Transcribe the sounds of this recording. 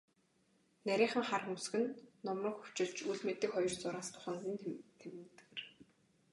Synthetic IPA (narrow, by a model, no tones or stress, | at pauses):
næɾʲiːχə̆ŋχarə̆ŋusɡɘ̆nːɔmrɞ̆kxu̥t͡ɕɪ̆ɮ̥t͡ɕuɮmet̪ɘ̆kχɔjɞ̆rt͡sʊɾaːst̪ʰʊ̥χaːnsiːnt̪ʰemt̪̆ɡɘ̆r